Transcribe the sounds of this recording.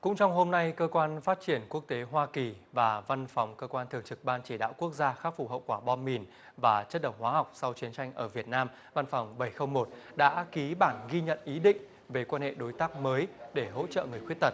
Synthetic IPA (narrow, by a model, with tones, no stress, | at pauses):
kʊ̰˧˥ŋ͡mt͡ɕɔ˧wŋ͡mɦo˧mna˧jkəː˧kwaː˧nfaː˦˥t̚t͡ɕi˧˩ənku˦˥ək̚t̪e˨˦ɦwaː˧ki˨˩vaː˨˩va˧nfa˨˩wŋ͡mkəː˧kwaː˧nt̪ʰɨ˨˩əŋt͡ɕɨ˨˩k̚ɓaː˧nt͡ɕi˧˩ɗa̰ː˧˨wku˦˥ək̚zaː˧xaː˦˥k̚fu˨˧˩hə̰˧˨wkwaː˧˩ɓɔ˧nmi˨˩n | vaː˨˩t͡ɕə˦˥t̚ɗə˨˧˩wŋ͡m̚hwaː˨˦ha˨˩wk͡p̚sa˧wt͡ɕi˨˦ənt͡ɕa˧jŋ̟ʔəː˧˩vi˨˩ət̚naː˧m | va˧nfɔ˨˩wŋ͡mɓə˧˩jxə˧wŋ͡mmo˨˩t̚ɗa̰ː˧˥ki˨˦ɓaː˧˩nɣi˧ɲə̰˧˨nʔi˨˦ɗḭ̈˧˨ŋ̟ | ve˨˩kwaː˧nhḛ˧˨ɗo˨˦jt̪aː˦˥k̚məː˨˦jɗe˧˩ɦo̰˧˥t͡ɕə̰ː˧˨ŋɨ˨˩əjxwət̪̚ə˨˩t̚